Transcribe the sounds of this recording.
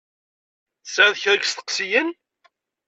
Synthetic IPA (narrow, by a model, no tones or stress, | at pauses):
sæðçɾəɡst̪ə̥qsijən